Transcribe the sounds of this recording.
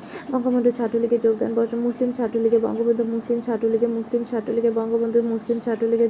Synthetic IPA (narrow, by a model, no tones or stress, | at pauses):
bɔŋkʰomod̪ʱut͡ɕʰaʈːuliɡed͡ʑoɡ̚d̪a̰nbɔɾʃonmuslimt͡ɕʰaʈːuliɡebɔ̰ŋɡobond̪ʱumuslimt͡ɕʰaʈːuliɡemuslimt͡ɕʰaʈːuliɡebɔŋɡobond̪ʱumuslimt͡ɕʰaʈːuliɡe